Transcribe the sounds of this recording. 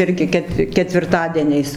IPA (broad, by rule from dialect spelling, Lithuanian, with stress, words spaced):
ˈɪrʲɡʲɪ ˈkʲɛt kʲɛtʲʋʲɪrˈtɑːdʲiɛnʲɛɪs